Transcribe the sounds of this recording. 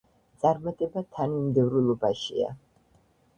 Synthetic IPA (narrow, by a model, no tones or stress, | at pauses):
t̪sʼaɾmat̪ʼɛbat̪ʰanimd̪ɛvɾulˠɔbaʃḭa̰